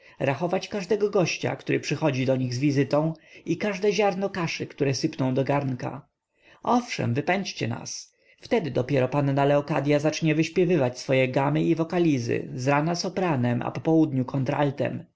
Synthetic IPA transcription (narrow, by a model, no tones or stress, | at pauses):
ɾaxɔvat͡ɕkaʐd̪ɛɡɔɡɔɕt͡ɕa̰kt̪uɾɘpʂɘxɔd͡ʑid̪ɔɲiɣzvʲizɘt̪ɔ̃w̃ikaʐd̪ɛʑaɾnɔkaʂɘkt̪uɾɛsɘpnɔ̃w̃d̪ɔɡaɾnka̰ | ʔɔfʂɛ̰mvɘpɛɲt͡ɕt͡ɕɛ̰na̰s | ft̪ɛd̪ɘd̪ɔpʲjɛɾɔpanːalɛɔkad̪ʲjazat͡ʂɲɛvɘɕpʲjɛvɘvat͡ɕsfɔjɛɡamɘivɔkalʲizɘ̰zɾanasɔpɾanɛmʔa̰pɔpɔwud̪ɲukʰɔnt̪ɾa̰lt̪ɛ̰m